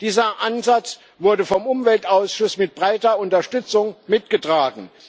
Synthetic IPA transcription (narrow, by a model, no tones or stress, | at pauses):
d̥iːzɐʔanzat͡s | vʊɐdəfɔmʔʊmvɛltʔaʊsʃʊsmɪt̚b̥ʁaɪtɐʊntɐʃtʏt͡sʊŋmɪtɡ̥ətʁ̥aːɡŋ̩